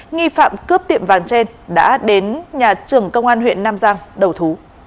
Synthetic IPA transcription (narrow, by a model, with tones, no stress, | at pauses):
ŋi˧fa̰ː˧˨mkɨ˦˥p̚t̪ḭ˧˨əmvaː˨˩nt͡ɕe˧n | ɗa̰ː˧˥ɗe˨˦nɲaː˨˩t͡ɕɨ˨˩əŋkə˧wŋ͡mʔaː˧nɦwḭ˧˨ənːaː˧mzaː˧ŋɗə˨˩wt̪ʰu˨˦